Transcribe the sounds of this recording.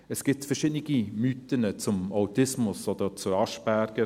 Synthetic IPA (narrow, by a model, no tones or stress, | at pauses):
əsɡ̥ɪt̪fəɾʃɪdniɡimyt̪ənət͡sʊmawt̪ɪsmʊsɔd̪ət͡sʊɾɑʃb̥æɾɡ̥ə